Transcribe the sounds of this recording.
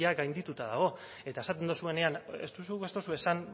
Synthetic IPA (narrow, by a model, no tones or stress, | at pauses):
aɡajnd̪it̪ut̪aðaɣ̞o̞ | e̞t̪ae̞sat̪e̞nd̪osue̞ne̞anḛst̪usuɣest̪osue̞san